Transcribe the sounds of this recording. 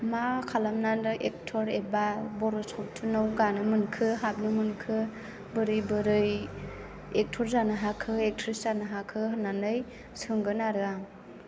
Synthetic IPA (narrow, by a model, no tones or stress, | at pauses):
makʰalamnandɯʔek̚tʰɔɾebabɔɾɔsɔk̚tʰunɯwɡanɯmɯnkʰɯɦap̚nɯmɯnkʰɯ | bɯɾɯjbɯɾɯj | ek̚tʰɔɾzanɯɦakʰɯek̚tʰɾiszanɯɦakʰɯɦɯnanɯj | sɯŋɡɯnaɾɯaŋ